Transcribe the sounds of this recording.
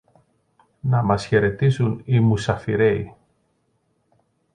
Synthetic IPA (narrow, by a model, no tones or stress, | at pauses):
nɐmɐsçe̞ɾe̞t̪isunimusɐfiɾe̞i